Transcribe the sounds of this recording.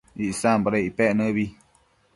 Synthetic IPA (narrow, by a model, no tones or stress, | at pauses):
iʔsãmbaɾaiʔpeʔnɨ̃βi